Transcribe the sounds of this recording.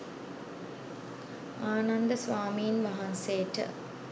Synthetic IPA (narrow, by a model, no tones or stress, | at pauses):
aːnand̪əsʋaːmiːnʋɐɦanseːʈə̰